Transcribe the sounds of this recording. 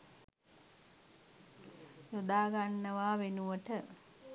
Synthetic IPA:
jod̪aːɡanːəʋaːʋenuʋəʈə

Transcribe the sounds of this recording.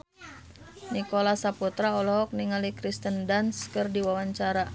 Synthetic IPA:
nikolasaput̪ɾaɔlɔɦɔk̚niŋalikɾist̪əndanskərdiwawaɲt͡ʃaɾa

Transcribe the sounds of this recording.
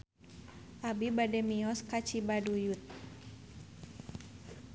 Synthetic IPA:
ʔabibadɛmiɔskat͡ʃibadujut̪̚

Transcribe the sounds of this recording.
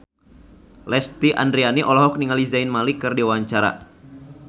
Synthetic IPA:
lɛst̪iʔa̰ndɾianiʔɔlɔɦɔk̚niŋalizajnmalikɨrdiwaɲt͡ʃaɾa̰

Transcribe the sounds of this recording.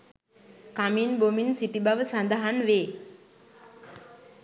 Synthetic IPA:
kaminbominsiʈibaʋəsand̪əɦanʋeː

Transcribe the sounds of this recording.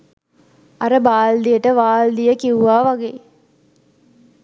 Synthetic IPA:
aɾəbaːld̪ijəʈəʋaːld̪ijəkiwuʋaːʋaɡeː

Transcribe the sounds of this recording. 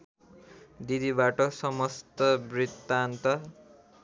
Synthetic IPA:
d̪id̪ibaʈʌsʌmʌst̪ʌbrit̪ːant̪ʌ

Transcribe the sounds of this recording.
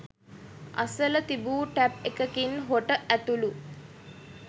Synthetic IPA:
a̰sələt̪ibuːʈæpekəkinɦoʈəʔæt̪ulu

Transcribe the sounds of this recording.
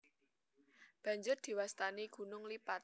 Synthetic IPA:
b̥ä̤ɲd͡ʒʊrd̪̥i̤wast̪aniɡ̥ṳnʊŋlipat̪̚

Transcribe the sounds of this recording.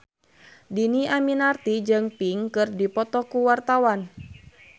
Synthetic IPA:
diniaminart̪id͡ʒɨŋpiŋkɨrdipɔt̪ɔkuwart̪awan

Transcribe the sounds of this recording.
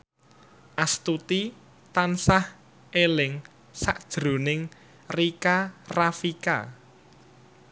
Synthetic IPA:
ʔast̪ut̪i | t̪ansah | elɪŋ | saʔd̥ʒ̥ɾo̤nɪŋ | rikarafika̰

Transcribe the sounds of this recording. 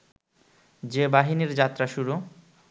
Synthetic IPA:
d͡ʑebaɦiniɾd͡ʑat̪ːɾaʃuɾu

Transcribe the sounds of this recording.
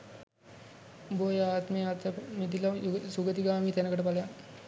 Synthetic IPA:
boːjaːt̪meat̪əmed̪ilɐsuɡət̪iɡaːmit̪ɛnəkəʈəpalɐjan

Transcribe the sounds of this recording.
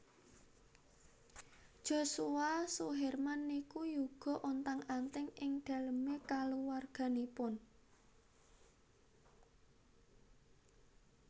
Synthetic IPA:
d̥ʒ̥o̤suwasuɦɛrmanːikujuɡ̥ɔ̤ʔɔnt̪aŋant̪ɪŋɪŋɖ̪̥a̤ləmekaluwarɡ̥a̤nipʊn

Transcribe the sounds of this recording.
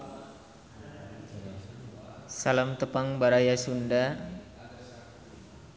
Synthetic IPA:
salamt̪əpaŋbaɾajasunda

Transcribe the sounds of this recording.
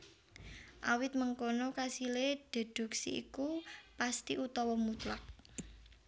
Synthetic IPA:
ʔawɪt̪̚məŋkonɔkasileɖ̪̥ə̤d̪̥ṳksḭḭkupast̪iʔut̪ɔwɔmut̪lak̚

